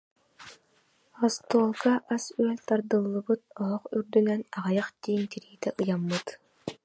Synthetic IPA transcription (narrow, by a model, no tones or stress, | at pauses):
ɔst̪uɔlˠkaʔasyœlʲt̪aɾd̪ɯlˠːɯbɯt̪̚ɔɦɔχyɾd̪ynɛnaʁajaχd̪iːnt̪iɾiːt̪ɛʔɯjamːɯt̪